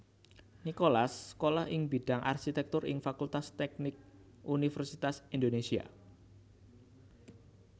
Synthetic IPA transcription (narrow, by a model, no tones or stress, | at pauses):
nikolaskolahɪŋbi̤ɖ̥aŋʔa̰rkit̪ɛk̚t̪ʊrʔɪ̰ŋfakult̪ast̪ɛk̚nɪk̚ | ʔunifɛrsit̪asind̪onesia̰